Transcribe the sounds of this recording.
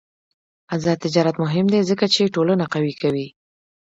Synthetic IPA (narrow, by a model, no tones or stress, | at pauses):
azɑt̪ɪd͡ʒɑɾat̪mʊɦɪmd̪ezəkat͡ʃeʈolənaqawikawi